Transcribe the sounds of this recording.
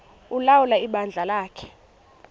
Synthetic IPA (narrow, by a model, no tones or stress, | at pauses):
ulawulaiɓand͡ɮʱalaːkʰɛ̥